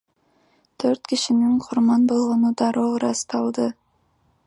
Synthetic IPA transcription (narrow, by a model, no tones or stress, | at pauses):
t̪ʰøɾt̪kiʃiniŋqʰʊɾmɑnbo̞lˠʁonud̪ɑɾoɾɑst̪ɑlˠd̪ɯ